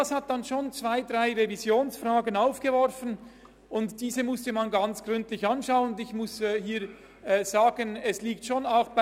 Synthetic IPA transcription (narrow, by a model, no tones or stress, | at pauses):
ashat̚d̥anʃoːnt͡sv̥aɪdʁaɪʁevizjoːnsfraːɡənaʊfɡ̥əvɔɾfən | ʔʊntd̥iːzəmʊstəmanɡɑnt͡sɡ̥ʁʏntlɪçɑnʃaʊənʊndɪçmʊsɛhiːɾ | ɛːz̥aːɡənɛsliːk̚tʃoːnaʊxb̥